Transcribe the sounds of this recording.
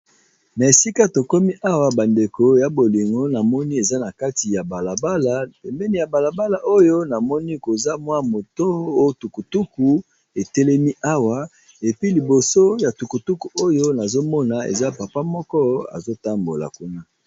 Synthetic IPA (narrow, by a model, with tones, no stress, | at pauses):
na˨e˨si˦ka˦to˨kɔ˦mi˦ʔa˦wa˨ba˨nde˨ko˨ja˨bo˨li˨ŋɡo˦na˨mɔ˦ni˦e˨za˦na˨ka˦ti˨ja˨ba˨la˨ba˦la˨e˨mbɛ˦ni˦ja˨ba˨la˨ba˦la˨ʔo˦jo˦na˨mɔ˦ni˦ko˨za˦mwa˦mo˨to˦o˦jo˦tu˨ku˨tu˦ku˨ | e˨tɛ˦lɛ˦mi˦ʔa˦wa˨ | e˨pi˦li˨bo˨so˦ja˨tu˨ku˨tu˦ku˨ʔo˦jo˦na˨zo˦mɔ˦na˨ḛ˨za˦pa˨pa˦mɔ˦kɔ˦a̰˨zo˦ta˦mbo̰˨la̰˨ku˦na˦